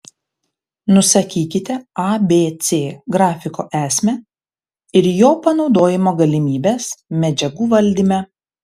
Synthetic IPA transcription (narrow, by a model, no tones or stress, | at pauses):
nʊsɐkʲiːkʲɪt̪ʲɛɑbʲeːt̪sʲeːɡɾɑːfʲɪko̰ːʔæːsʲmʲɛ | ɪɾjoːpɐnɒʊd̪oːjɪmoːɡɐlʲɪmʲiːbʲeːsmʲɛd͡ʒʲɛɡuːʋɐlʲd̪ʲimʲɛ